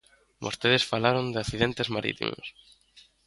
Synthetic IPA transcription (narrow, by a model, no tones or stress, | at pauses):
bo̰st̪eðesfalaɾond̪ɪaθiðent̪ezmaɾḭt̪ḭmo̰s